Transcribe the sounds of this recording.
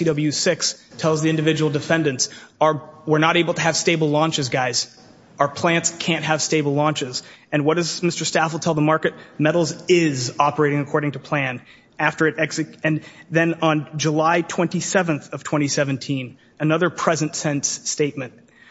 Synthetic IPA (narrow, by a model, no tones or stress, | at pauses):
idʌblˠjʉsɪkstʰɛlˠzðiɪ̃ndɨvɪd͡ʒəwl̩ˠdɨfɛ̃ndɨ̃ntsə˞wəɹnəɾeɪbl̩ˠtʰɨːv̥steɪbl̩ˠlɔ̃nt͡ʃɨzɡaɪz | ə˞pʰl̥æ̃ntskʰæ̃nʔ̚ɦəv̥steɪbl̩ˠlɔ̃nt͡ʃɪzɨ̃nwʌd̥ʌzmɪstə˞stæfl̩ˠtʰɛlˠðəmɑɹkɨt̚mɛɾl̩ˠzɪzɑpə˞eɪɾɪ̃ŋɨkʰɔɹɾɪ̃ŋtʰɨpʰl̥æ̃n | æftə˞ɨɾɛksɨɨ̃nðɨ̃nə̃nd͡ʒəlaɪtʰw̥ɛ̃ntisɛvɨ̃nθʌv̥tʰw̥ɛ̃ɾ̃isɛvɨ̃n̩tʰĩn | ɨnʌðə˞pʰɹ̥ɛzɨ̃ntsɛ̃ntsteɪt̚mɨ̃nt̚